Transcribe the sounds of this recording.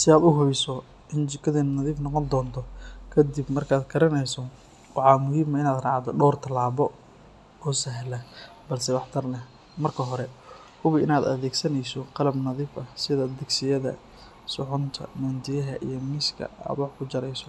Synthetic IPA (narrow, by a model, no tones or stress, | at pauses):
sɪaːd̪ʊɦʊjsɔ | ʔɪnt͡ʃɪkʰɐðɛnnɐðiːfnɔqɔnd̪ɔːnt̪ʰɔkʰɐd̪ibmɐrkʰaːd̪kʰɐɾɐnɛjsɔ | wɑʕɑːmʊɦiːmɐɪnaːd̪rɑ̰ːʕt̪ʰɔɖɔːrt̪ʰɐlaːβɔ | ɔːsɐɦlɐ | bɐlsɛwɑħt̪ʰɐrlɛ | mɐrkʰɐɦɔɾɛ | hʊβɪʔɪnaːd̪ɐ̰ðɛːɡsɐnɛjsɔqɑlɐbnɐðiːfɐhsɪðɐd̪ɪɡsɪjɐðɐ̰ | sʊħʊnt̪ʰɐ̰mɐnt̪ɪjɐɦɐʔijɞmɪskʰɐ̰a̰ːd̪wɑħkʰʊt͡ʃɐɾɛjsɔ